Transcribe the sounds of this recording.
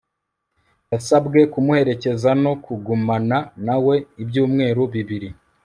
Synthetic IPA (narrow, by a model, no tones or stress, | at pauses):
jasabɡe̞kumuhe̞ɾe̞ce̞zano̞kuɡumananawe̞ibjuːmŋe̞ːɾoβiβiɾi